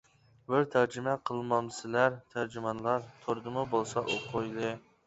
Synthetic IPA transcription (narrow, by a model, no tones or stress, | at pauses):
bɪɾt̪ʰæɾd͡ʒɪmɛqʰəlˠmɑmsɪlæɾt̪ʰæɾd͡ʒɪmɑnlˠɑɾt̪ʰoɾd̪ɨmʊbolˠsɑʔoqʰːojlˠɨ